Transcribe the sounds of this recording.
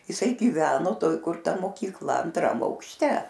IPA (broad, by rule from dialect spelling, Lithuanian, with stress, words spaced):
ɪˈsɐɪ ɡʲiːˈʋʲæːnoː ˈtoːj kʊr ˈtɐ moːkʲiːkˈlˠɐ ɐnˈtrɐm ɐʊkʃʲˈtʲɛ